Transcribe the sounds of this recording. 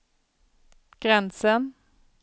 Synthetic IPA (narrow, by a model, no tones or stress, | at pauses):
ɡ̥ʁɛnsən